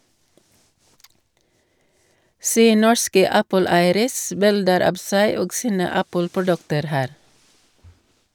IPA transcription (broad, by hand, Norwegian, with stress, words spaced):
ˈseː ˈnɔɹskə ˈæpəˌlæɪəɾəs ˈbɪldəɾ ˈɑːb ˈsæɪ ˈoːɡ ˈsiːnə ˈæpəlpʊˌɖʉktəɾ ˈhæːɾ